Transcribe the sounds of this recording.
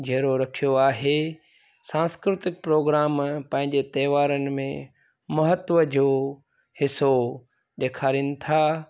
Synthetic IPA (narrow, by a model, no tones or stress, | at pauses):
d͡ʑʱeːɾoɾɐkʰijoaːɦe | sãːskɾɪt̪ɪk̚pɾoːɡɾaːmpɐ̃ɦɪ̃ɲd͡ʑet̪ɐːʋaːɾənɪ̆mẽ | mɐɦət̪ʋəd͡ʑoː | hɪso | ɗeːkʰaːɾiːnɪ̆t̪ʰaː